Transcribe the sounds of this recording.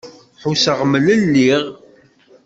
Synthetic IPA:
ħusəʁmələlːiʁ

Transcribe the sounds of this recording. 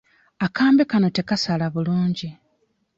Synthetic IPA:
akaːmbekano̞te̞kasalaβuluːɲɟi

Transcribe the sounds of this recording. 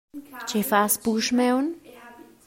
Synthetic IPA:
t͡ʃefaspuʃmewn

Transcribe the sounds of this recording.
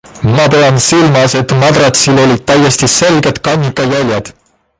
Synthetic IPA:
mɑpeɑnsilmɑse̞t̪mɑd̪rɑt̪silo̞lʲid̪̥̚t̪æjːe̞st̪ise̞lɡe̞d̪̥kɑnʲːikːˑɑjælʲjɑd̪̥

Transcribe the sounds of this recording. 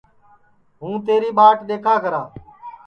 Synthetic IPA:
ɦũːt̪eːɾiːɓaːʈɗ̪eːkʰaːkəɾaː

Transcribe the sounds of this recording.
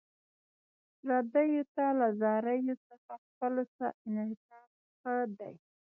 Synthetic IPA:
ɾad̪ajot̪alazɑɾajosaxaxpəlosaʔɪnhɪsɑf | xəd̪a̰j

